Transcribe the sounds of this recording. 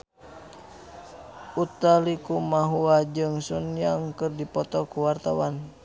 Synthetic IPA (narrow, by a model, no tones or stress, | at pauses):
ut̪alikumaɦuad͡ʒɨŋsunjaŋkərdipɔt̪ɔkuwart̪awan